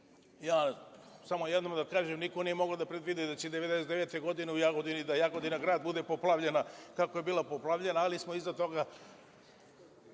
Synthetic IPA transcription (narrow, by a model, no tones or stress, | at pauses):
jaːsamo̞jed̪nomd̪akaːʒemniko̞nije̞mo̞ɡaod̪apɾed̪ʋid̪id̪at͡ɕed̪eʋe̞d̪eset̪eʋeːt̪e̞ɡo̞d̪ine̞ujaɡod̪inid̪ajaɡod̪inaɡɾaːd̪̚bud̪e̞po̞plˠaʋʎe̞nakako̞jebiːlˠapoplˠaʋʎe̞naːlismo̞izat̪o̞ɡa